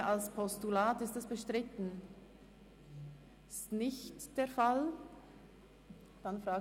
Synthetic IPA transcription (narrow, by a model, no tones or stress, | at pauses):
alspʰɔstulaːtɪstɛsb̥əʃtʁɪtn̩ | stnɪçtd̥eːɐfal | d̥anfʁaːɡ